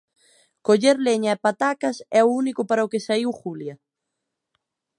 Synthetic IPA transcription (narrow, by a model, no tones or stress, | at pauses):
koʎeɾleɲaepat̪akɐsɛounikʊpaɾaokesaiwxuljɐ